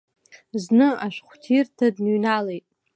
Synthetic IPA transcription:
znɨaʃʷᶣχʷtʰirtʰadnɥnalejtʼ

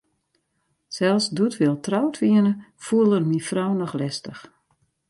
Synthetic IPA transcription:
sɛlˠsdutʰʋɪlˠtrawtʰʋiənəfuəlˠərmifrɔwnɔxlɛstəx

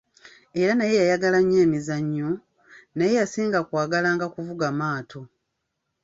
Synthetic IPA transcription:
e̞ɾanaje̞jajaɡalaɲːeːmizaɲːo | naje̞jasiːŋɡakwaːɡalaːŋɡakuvuɡamaːtʰo̞

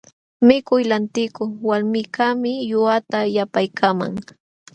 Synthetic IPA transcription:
mɪkʊjlant̪ɪkʊwalmɪkamɪjʊat̪ajapajkʰama̰ŋ

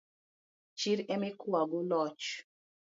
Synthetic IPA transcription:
t͡ʃiɾɛmekuaɡulɔt͡ʃ

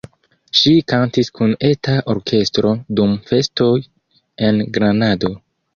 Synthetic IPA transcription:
ʃikantiskune̞taʔo̞ɾkʰe̞stɾo̞dumfe̞sto̞j | e̞nɡɾanado̞

